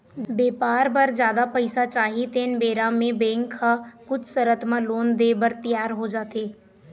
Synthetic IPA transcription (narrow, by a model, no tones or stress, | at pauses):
beːpaːɾbəɾd͡ʒjaːd̪apəɪsat͡ʃaːɦit̪eːnbeːɾãmẽbɛ̃ːŋkʰːakʊt͡ʃʰsəɾət̪mãloːnd̪eːbəɾt̪ɪjaːɾɦoːd͡ʒaːt̪eː